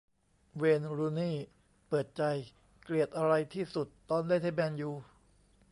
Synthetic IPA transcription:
weː˧nɾuː˧niː˥˩ | pɤː˨˩t̪̚t͡ɕa˧j | kli˨˩ət̪̚ʔa˧ɾa˧jt̪ʰiː˥˩su˨˩t̪ːɔː˧nlaː˥˩jt̪ʰaː˧˥bɛː˧njuː˨˩

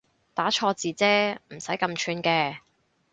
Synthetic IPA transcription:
t̪aː˨˥t͡ʃʰɔː˧t͡siː˨t͡sɛː˥m̩˨˩sɐ˨˥jkɐ˧mt͡ʃʰyː˧nkɛː˧

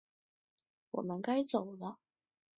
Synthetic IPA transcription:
wɔ̰˨˩mə˨˦nka˥jt͡so˨˩wlə˦

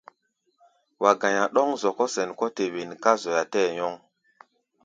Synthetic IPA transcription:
wa˨ɡã˨ja˨ɗɔ˦ŋzo˨kɔ˦se˨nkɔ˦te˨we˨nka˦zo˨ja˨tɛː˦jɔ˦ŋ

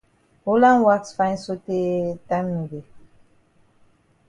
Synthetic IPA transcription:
o˦lã˦nwa˦ksfã˦j̃nso˦te˦tã˦mni˨de˨

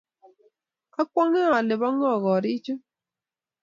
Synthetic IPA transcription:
a˦kwɔ˦ŋe˦a˨lɪ˨bɔ˦ŋɔ˦˨ɣɔ˨ɾi˦t͡ʃo˦

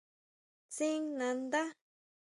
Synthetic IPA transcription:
t͡si˦ŋnã˨˧nd̪a˦

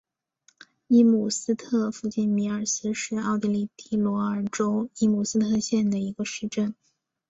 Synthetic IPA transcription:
i˥mu˨˩sɹ̩˥t̪ʰɤ˥˧fu˥˧t͡ɕi˥˩nmi˧˥ə˞˨˩sɹ̩˥ʂɻ̩˥˧ɑ˥˧ʊt̪i˥˧li˥˩t̪i˥˩lwɔ˧˥ə˞˨˩ʈ͡ʂo˥ʊi˥mu˨˩sɹ̩˥t̪ʰɤ˥˧ɕjɛ˥˩nd̪ə˩i˧˥ɡə˧ʂɻ̩˥˧ʈ͡ʂə˥˩n

